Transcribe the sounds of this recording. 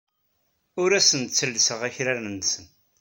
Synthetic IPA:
ʊɾæsənt̪t͡sːəlːsəʁæçɾæɾənsən

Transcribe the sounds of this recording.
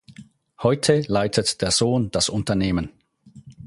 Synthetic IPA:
hɔʏtʰəlaɪtʰətd̥eːɐz̥oːnd̥asʊntɐneːmən

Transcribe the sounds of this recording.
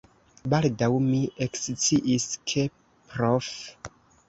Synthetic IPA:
baldawmiʔekst͡siʔiskʰe | pɾof

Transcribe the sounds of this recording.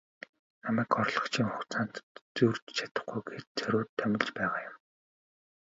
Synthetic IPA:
namæːkɔrɮɞ̆χt͡ɕʰiŋχʊxt͡saːn̥t̪t͡surt͡ɕt͡ɕʰḁt̪ə̆χɡujɡet̪̚t͡sœɾʲʊːt̪ʰːæmʲɪ̆ɮt͡ɕpæːʁaːjʊm

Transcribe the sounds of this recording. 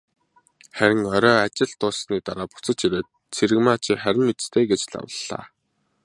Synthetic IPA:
χæɾʲɪ̆ŋɔɾʲɔːat͡ɕɪ̆ɮt̪ʊːsniːt̪aɾaːpʊ̥t͡sə̆t͡ɕiɾeːt̪̚ | t͡sʰeɾɘ̆ɣmaːt͡ɕɪχæɾʲɪ̆mːet͡s̆st̪ʰeːɡet͡ɕɮa̰wə̆ɮːa̰ː

